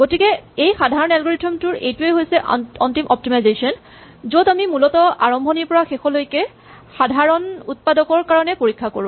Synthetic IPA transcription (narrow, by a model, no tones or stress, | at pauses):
ɡ̥otikɛejxadʱaɹɔnɛlɡɔɹitʰɔmtʊɹḛjtʊeɦojsɛʔɔntimʔɔp̚timajzesiɔn | zotamimulɔtɔa̰ɹɔmbʱɔniɹpɔɹaxexɔlojkɛ | xadʱaɹɔnut̚padɔkɔɹkaɹɔnɛpoɹikʰːakoɹũ